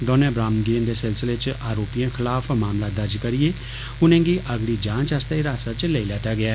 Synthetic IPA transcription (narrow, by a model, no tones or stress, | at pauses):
d̪ɔːnẽːbɾaːmnɡind̪eːsɪlsɪleːt͡ʃaːɾoːpijãːkʰɪlaːpʰmaːmlaːd̪əɾd͡ʒkəɾɪjeː | ʊnẽːɡiːʔəɡɽiːd͡ʒãːt͡ʃast̪eiɾaːsaːt͡ʃleːilɛːʈaːɡɪɛː